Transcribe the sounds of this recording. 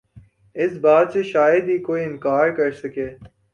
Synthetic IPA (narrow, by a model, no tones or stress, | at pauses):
ɪsbaːt̪seʃaːjəd̪ɦiːkoːiːɪnkaːɾkɐɾsɐkeː